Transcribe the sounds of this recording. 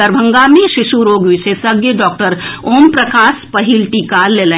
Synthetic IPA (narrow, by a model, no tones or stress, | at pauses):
əɾbʱə̃ŋɡamẽʃɪʃuɾoːɡʋɪʃesɐɡjəɖɔːk̚ʈəɾoːmpɾɐkaːspɐɦilʈiːkaleːlẽ